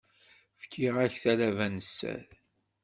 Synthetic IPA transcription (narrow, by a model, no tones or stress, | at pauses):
fkʰːiʁæçθælævænəsːæ̰ð